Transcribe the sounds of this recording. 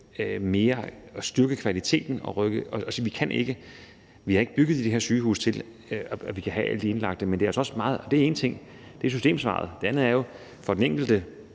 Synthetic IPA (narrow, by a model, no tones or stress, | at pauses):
me̝ːɐɒ̽sd̥yɐɡ̥əkʰʋælit͡sʰe̝̰ːd̥n̩ɒ̽ʁœɡ̥əɒ̽ɒsiʋikʰænʔe̝ɡ̥ə | ʋihɑ̈e̝ɡ̥əb̥yɡ̥ð̞̩ˠid̥e̝ɦe̝ɐ̰syːhṵːst͡sʰe̝l | ɒɒʋikʰæɦææ̰l̰d̥ie̝nlɑ̈ɡ̥d̥əmendeæɐɒsɒ̽smɑ̈ːð̞̩ˠɒ̽d̥e̝æe̝ːnət͡sʰe̝ŋ̰ | d̥e̝æɐsysde̝̰ːmsʋɑ̰̈ːð̞̩ˠd̥e̝ænð̩ˠæɐjo̝ | fɒ̽d̥eneŋ̰ɡ̥l̩d̥ə